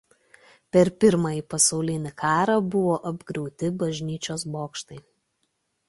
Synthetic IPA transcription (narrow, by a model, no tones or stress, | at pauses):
pʲɛɾpʲɪɾmɑːiːpɐsɒʊlʲɪnʲɪkʰɑːɾɐbʊʋoːʔɐbɡɾʲɛʊt̪ʲɪbɐʒʲnʲiːt͡ʃʲoːsboːkʃt̪ɐɪ